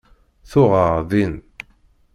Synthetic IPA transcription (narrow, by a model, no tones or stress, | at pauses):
θʊʁəʁðin